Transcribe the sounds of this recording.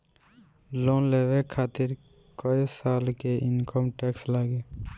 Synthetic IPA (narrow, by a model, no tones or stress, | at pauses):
loːnleːʋekʰaːt̪ɪɾ | kəisaːlkeɪnkəmʈeːkslaːɡeː